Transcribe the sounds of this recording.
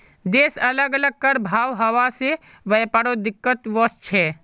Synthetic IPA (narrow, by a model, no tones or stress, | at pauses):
d̪eːsɐləɡələɡ̚kəɾbʱaːʋɦɐʋase | ʋəjpəɽod̪ɪkːət̪ʋɔst͡ʃʰɛː